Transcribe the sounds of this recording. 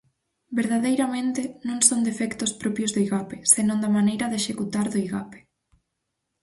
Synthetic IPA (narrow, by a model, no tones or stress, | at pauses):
beɾð̞aðejɾamẽnt̪ɪnõŋsond̪efɛkt̪ʊspɾɔpjozðoiɣapesenõnd̪ɐmanejɾɐðeʃekut̪aɾðoiɣape̥